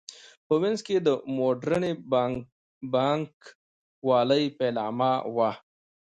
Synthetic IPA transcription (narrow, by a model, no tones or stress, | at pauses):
pəwẽnzked̪əmoːɖɾəne | baːŋk | waːləipeːlaːmawa